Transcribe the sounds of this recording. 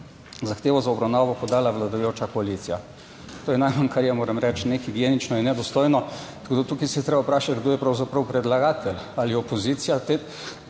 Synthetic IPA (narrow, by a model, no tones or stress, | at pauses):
zaxt̪eːʋɔzaɔbɾawnaʋɔpɔd̪aːlaʋlad̪ɐjot͡ʃakɔalit̪sija | t̪oːjɛnajmankaɾjɛmoːɾɛmɾɛt͡ʃnexiɡjeːnit͡ʃnɔjɛnɛd̪ɔst̪ojnɔt̪ɐkoːd̪at̪ukisɛjɛt̪ɾeːbapɾaːʃat̪ɡd̪oːjɛpɾɐwzapɾɐwpɾɛd̪laɡaːt̪ɛlaliɔpɔzit̪sijat̪e